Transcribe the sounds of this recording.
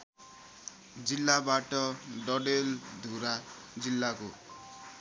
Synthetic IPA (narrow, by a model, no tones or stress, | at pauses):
d͡zilːabaʈʌɖʌɖeld̪ʱuɾa | d͡zilːako